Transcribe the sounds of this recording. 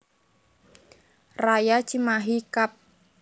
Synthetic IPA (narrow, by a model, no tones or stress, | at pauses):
rajat͡ʃimaɦikap̚